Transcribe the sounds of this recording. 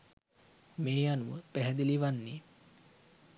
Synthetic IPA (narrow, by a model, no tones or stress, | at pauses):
meːjanuʋəpæɦɛd̪iliʋanːi